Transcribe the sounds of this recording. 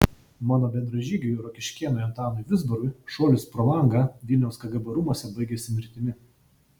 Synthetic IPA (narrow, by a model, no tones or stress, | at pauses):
mɑːnoːbʲɛnd̪ɾɐʒʲiːɡʲɛjʊɾokʲɪʃʲkʲiɛnojɐnt̪ɑːnojʋʲɪzbɐɾʊjʃoːlʲɪspɾolˠɐˑŋɡɑʋʲɪlʲnʲɛʊskɐɡɐbɐɾʊmuɔsʲɛbɐɪɡʲesʲɪmʲɪɾʲt̪ʲɪmʲɪ